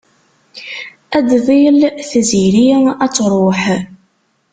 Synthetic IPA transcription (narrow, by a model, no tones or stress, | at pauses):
æd̪ðˤilθziɾiæt͡sːɾˤoħ